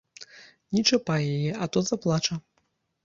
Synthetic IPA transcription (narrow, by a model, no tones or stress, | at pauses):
nʲit͡ʂɐpajajɛʔɐt̪ɔzɐplˠat͡ʂɐ